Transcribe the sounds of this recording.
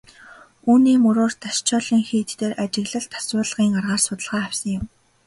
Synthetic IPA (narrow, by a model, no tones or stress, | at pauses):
uːniːmɵɾoːrt̪ʰaʃt͡ɕʰɔːɮiːŋxiːt̪t̪eːrʔat͡ɕɪ̆ɣɮə̆ɬt̪ʰːḁswʊːɮəʁiːŋarʁaːrsʊt̪ə̆ɮʁaːæwʲsə̆ŋjɪ̆m